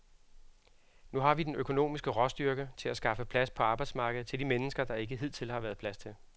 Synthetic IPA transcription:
nuɦɑ̈ʋid̥enøkʰo̝no̝̰ːmisɡ̥əʁɒ̽sd̥yɐɡ̥ət͡sʰe̝læsɡ̥ɑ̈fəpʰlæspʰɒ̽ɑ̈ːb̥ɑ̈ɪdsmɑ̈ːɡ̥əð̩ˠt͡sʰe̝ldimenəsɡ̥ɐd̥ɑ̈e̝ɡ̥əɦið̞̰ˠt͡sʰe̝lhɑ̈ʋæːɐðˠpʰlæst͡sʰe̝l

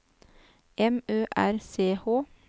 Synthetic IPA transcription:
ʔɛmøːʔæɾseːhoː

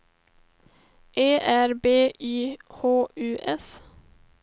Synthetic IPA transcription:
ʔeːʔæɾbeːʔʔyːhoːʔʉːʔɛs

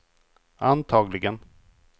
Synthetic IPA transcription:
ant̪ʰɑːɡlɪɡən

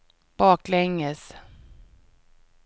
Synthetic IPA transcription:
b̥ɑːklɛŋːəs

